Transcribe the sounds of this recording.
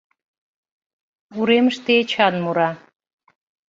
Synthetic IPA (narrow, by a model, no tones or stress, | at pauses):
uɾeməʃt̪eet͡ɕɑnmuɾɑ